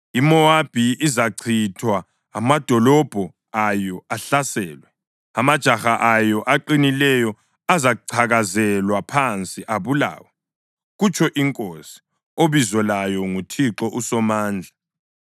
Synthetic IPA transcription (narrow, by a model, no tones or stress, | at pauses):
imɔab̥ʱiizaǀʰitʰwaː | mad̥ʱɔlɔb̥ʱɔ | ajɔaɬasɛːlwɛ | amad̥ʒ̥ʱaxaʔajɔʔaǃinilɛjɔ | azaǀʰaɣazɛlwapʰant͡sʼiʔaβula̰ːwɛ | ɣut͡ʃʰʼɔʔiŋkʼosi̥ | oβizɔlajɔŋutʰiǁɔʔusɔmaːnd͡ɮʱa